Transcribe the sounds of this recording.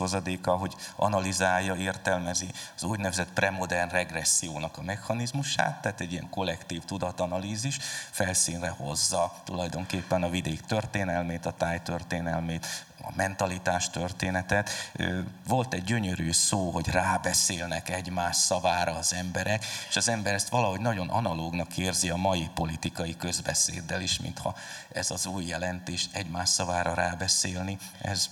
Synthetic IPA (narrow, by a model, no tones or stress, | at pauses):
ozɒd̪eːkɒɦo̞ɟɒ̰nɒlizaːjːɒeːrt̪ɛlmɛziɒzuɟnɛvɛzɛt̪prɛmo̞d̪ɛrnrɛɡrɛsːijoːnɒkɒmɛxhɒnizmuʃa̰ːt̪ːaɦːt̪ɛɟːijɛ̰ŋko̞lːɛkt̪iːft̪ud̪ɒt̪ɒnɒliːziʃfɛlsiːnrɛho̞̰zːɒt̪ulɒjd̪o̞ŋkeːpːɛnɒvid̪eːkt̪ørt̪eːnɛlmeːt̪ɒt̪aːjt̪ørt̪eːnɛlmeːt̪ | ɒ̰mɛnt̪ɒlit̪aːʃt̪ørt̪eːnɛt̪ɛt̪øvo̞lt̪ɛɟːø̞ɲøɾyːsoːɦo̞ɟraːbɛseːlnɛkɛɟmaːʃsɒvaːɾɒːzɛmbɛɾɛke̥ʃɒzɛmbɛɾɛst̪ʋɒlɒɦo̞ɟnɒɟo̞nʔɒ̰nɒloːɡnɒkeːrziɒmɒjipo̞lit̪ikɒjikø̞zbɛ̰sḛːd̪ːɛliʃmḭnt̪hɒ̰ɛzɒzuːjːɛlɛnt̪eːʃɛɟmaːʃsɒvaːɾɒɾaːbɛseːlniɛ̰z